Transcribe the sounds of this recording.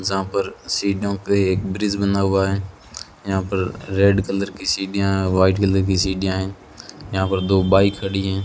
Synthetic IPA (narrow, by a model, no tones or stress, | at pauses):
d͡ʒɦãːpəɾsiːɖõːkeeːk̚bɾɪzbənaːuaːɦe | jɦãːpəɾɾeːɖkələɾkiːsiːɖɪjãːʋaːɪʈkələɾkiːsiːɗɪjãːɦɪn | jãːpəɾd̪oːbaːɪkʰːəɽiːɦɛ̃ː